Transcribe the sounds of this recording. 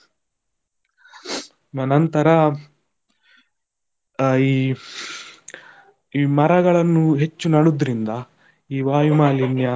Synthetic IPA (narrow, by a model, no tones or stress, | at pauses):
mɐnɐnt̪ɐɾɐ | iː | iːmɐɾɐɡɐɭɐnːuɦe̞t͡ʃːunɐɽud̪ɾind̪ɐ | iːʋaːjumaːlinjɐ